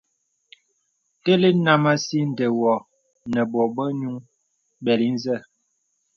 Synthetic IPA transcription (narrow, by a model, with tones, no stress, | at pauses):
te˦le˦na˦ma˦si˦n˨də˨wɔ˨ | nə˨bɔ˨bə˦ɲu˦ŋ | bɛ˨ɾi˦n˦zə˦˨